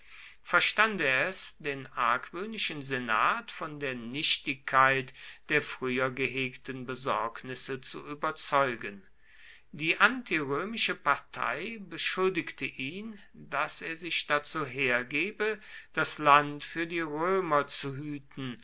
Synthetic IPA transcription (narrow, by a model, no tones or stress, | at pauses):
fɛɐʃtandeɐɛsd̥eːnʔaɐkv̥øːnɪʃnzena̰ːtfɔndeːɐnɪʃtɪkʰːaɪtd̥eːɐfʁ̥yːɐɡəɦeːktənbəzɔɐknɪsət͡sṵʔyːbɐt͡sɔʏɡən | diːʔantiʁøːmɪʃəpaɐtʰa̰ɪbəʃʊldɪktʰəʔiːn | daseːɐzɪçd̥at͡suːɦeːɐɡeːbəd̥aslantfyːɐdiːʁøːmɐt͡suɦyːtn̩